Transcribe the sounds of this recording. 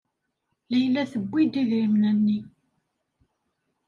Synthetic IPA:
læjlːæθəbʷːid̪iðɾimnænːi

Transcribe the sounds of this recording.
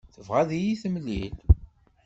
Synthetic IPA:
θəvʁæðijiθəmlḭl

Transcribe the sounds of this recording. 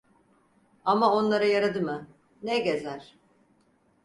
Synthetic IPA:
amao̞nlˠaɾajaɾad̪ɯmɯ | nɛɟezæɾ̥

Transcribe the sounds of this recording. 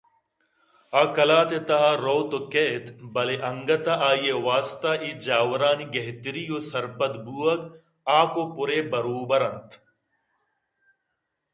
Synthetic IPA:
aːkɐlaːt̪et̪ɐɦaɾoːt̪oket̪bɐleʔɐŋɡɐt̪aʔaːjewaːst̪aːʔid͡ʒaːwɐɾaːniɡɐɦt̪iɾijoːsɐɾpɐd̪buːɐɡ | aːkopʊɾeːbɐɾoːbɐɾɐnt̪

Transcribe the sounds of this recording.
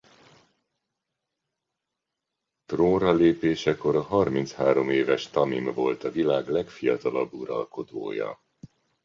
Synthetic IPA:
t̪roːrɒleːpeːʃɛko̞ɾɒɦɒrmint̪shaːɾo̞meːvɛʃt̪ɒmimvo̞lt̪ɒvilaːɡlɛkfijɒt̪ɒlɒbːuɾɒ̰lko̞d̪o̰ːjɒ̰

